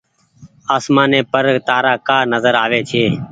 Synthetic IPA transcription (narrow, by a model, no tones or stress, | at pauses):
aːsmãːnẽːpəɾt̪aːɾaːkaːnəzəɾaːʋeːt͡ʃʰeː